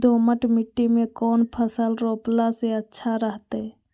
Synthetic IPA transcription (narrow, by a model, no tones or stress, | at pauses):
d̪oːməʈmiʈːimẽkoːnpʰəsəlɾoːplaseətːʃʰaɾəɦt̪e